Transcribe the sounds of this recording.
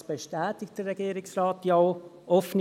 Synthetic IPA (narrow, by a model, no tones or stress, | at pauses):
b̥eʃtɛːtɪk̚tdərːɛɡiːɾɪksrɑːtjaʊ | ʔɔfn